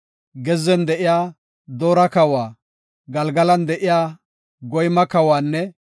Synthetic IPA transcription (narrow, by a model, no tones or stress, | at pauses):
ɡɛzːɛnd̪ɛʔɪjaː | d̪oːɾɐkɐwaː | ɡɐlɡɐlɐnd̪ɛʔɪjaː | ɡɔjmɐkɐwaːnːɛ